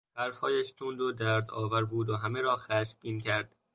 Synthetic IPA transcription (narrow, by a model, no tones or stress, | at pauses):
b̥æɾfhɒːjæʃt̪ʰuːnd̪od̪æɾd̪ɒ̰ːvæɾbuːd̪oɦæmeɾɒːxæʃbiːncʰæɾd̪̥